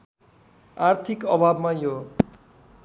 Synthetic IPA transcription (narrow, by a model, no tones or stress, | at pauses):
art̪ʰikʌbʱabmajo